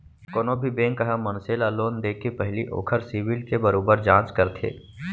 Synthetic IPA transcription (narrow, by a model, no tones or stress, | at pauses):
koːnoːbʱibẽːŋkːɐɦãmɐnseːlaloːnd̪eːkʰːepɛɦliʔo̰ːkʰəɾsiːʋɪlkebɐɾoːbəɾd͡ʒãːt͡ʃkəɾt̪ʰḛː